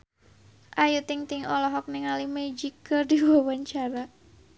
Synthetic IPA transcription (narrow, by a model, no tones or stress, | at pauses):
ʔajut̪iŋt̪iŋɔlɔɦɔk̚niŋalimed͡ʒikərdiwawaɲt͡ʃaɾa